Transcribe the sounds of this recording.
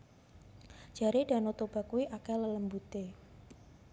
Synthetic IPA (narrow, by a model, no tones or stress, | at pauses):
ʒ̥a̤ɾed̥ä̤not̪ob̥a̤kuwiʔakɛlələmbut̪e